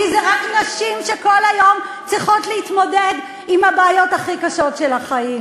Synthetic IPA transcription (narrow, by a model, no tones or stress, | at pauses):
izeʁaknaʃimʃeko̞lhajo̞mt͡sʁiχo̞tleitmo̞ded | imabeːjo̞taχikaʃo̞tʃelaχaim